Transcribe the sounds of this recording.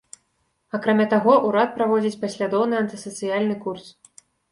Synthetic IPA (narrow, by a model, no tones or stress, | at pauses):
akɾamʲat̪aɣɔʔuɾat̪̚pɾavɔd͡zʲit͡sʲpasʲlʲad̪ɔwnɨɐnt̪ɨsɐt̪sɨjalʲnɨkurs